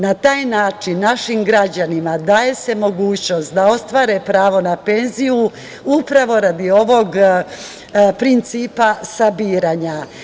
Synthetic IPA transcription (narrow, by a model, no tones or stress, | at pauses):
nat̪aːjnaːt͡ʃinːaʃimɡɾad͡ʑanimad̪aːje̞se̞mo̞ɡuːt͡ɕno̞st̪d̪ao̞st̪ʋaːɾepɾaːʋo̞nape̞nziju | upɾaʋo̞ɾad̪io̞ʋo̞ɡ | pɾint̪siːpasabiːɾaɲa